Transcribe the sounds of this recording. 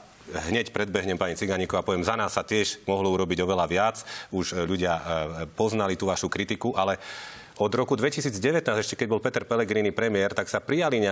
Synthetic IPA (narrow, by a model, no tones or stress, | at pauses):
ɦɲɛcpɾɛd̪̚bɛɦɲɛmpaɲit͡siɡaɲikɔapɔʋɛmzanaːsːat̪ɪɛʒmɔɦlɔuɾɔbiɟɔʋɛlaʋɪat͡suʒʎuɟɪapɔznalit̪uːʋaʃukɾit̪ikuʔalɛ | ɔd̪ɾɔkud̪ʋɛcisiːd͡zɟɛʋɛt̪naːzɛʃcɛkɛɟbɔlpɛt̪ɛɾpɛlɛɡɾiːnipɾɛmɪɛɾt̪aksapɾijaliɲɛ